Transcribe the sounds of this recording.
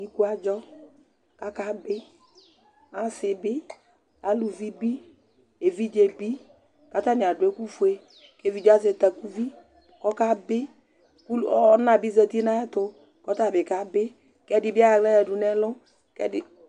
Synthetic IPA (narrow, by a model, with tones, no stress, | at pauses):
ɲi˦ku˦a˨d͡ʒɔ˦ | ka˦ka˦bɪ˦ | a˨˦sɪ˨bɪ˦ | a˨lu˨vi˦bi˦ | e˨vi˦d͡ʒe˨bi˦ | ka˦t̪a˦nɪ˨a˨dʊ˨˦e˦ku˦fu˨e˦ | ke˦˨vi˦d͡ʒe˦a˦s̬ɪ˨t̪a˨ku˦vi˦ | kɔ˦ka˦bɪ˦ | ku˦˨ɔ˦nã˨bi˦zɛ˨t̪i˦nã˦ɛ˦tʊ˨ | kɔ˦t̪a˦˨bɪ˨ka˦bɪ˦ | kɛ˦dɪ˨bɪ˦a˦a˨ɡlɛ˦jɛ˨dʊ˨nɛ˦lʊ˦ | kɛ̰˦dɪ˨